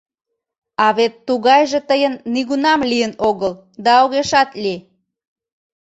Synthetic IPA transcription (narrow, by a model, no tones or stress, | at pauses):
ɑβet̪ːuɣɑjʒet̪əjənːiɣunɑmlijənoɣəl | d̪ɑoɣeʃɑt̪li